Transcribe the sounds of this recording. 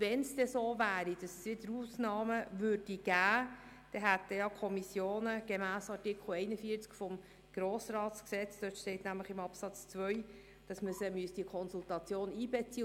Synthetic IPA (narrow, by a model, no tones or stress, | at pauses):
vɛnsd̥ɛsoːvæːɾid̥ɑssʋɪdəɾuːsnɑːməvøːɾdiɡ̥æː | d̥ɛɦæt̚dɛjɑkʰɔmisjoːnəɡ̥emæːsɑɾtɪkʰl̩ɛɪnəfiːt͡skfɔm | ɡ̥ɾoːsɾɑːtsksɛt͡sd̥øtʃtɛɪtnæmləχɪmɑpsɑt͡st͡sʋœʏ | d̥ɑsməsəmyəsd̥iəkʰɔnsultɑt͡sjoːniːbɛt͡siːə